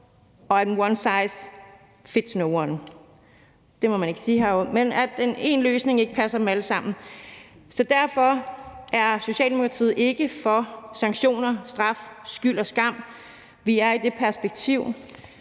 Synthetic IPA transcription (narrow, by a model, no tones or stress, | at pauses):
ɒ̽enwɒnsɑ̈ɪs | fe̝d̥snoʊwɒn | d̥e̝mɒ̽mæne̝ɡ̥siːɦæomenæ̥ene̝̰ːnløːsne̝ŋe̝ɡ̥əpʰæsɐd̥em̩æləsɑ̈m̰n̩ | sɒ̽d̥æɐfɒ̽ʔæɐso̝ɕɛ̰ːld̥emo̝kʰʁɑ̈t͡sʰḭð̩ˠe̝ɡ̥əfɒ̽sɑ̈ŋɡɕo̝̰ːnɐsd̥ʁɑ̈fsɡ̥yl̰ɒ̽sɡ̥ɑ̈m̰ | ʋiæɐid̥e̝pʰæɐsb̥eɡ̥̚t͡sʰiʊ̰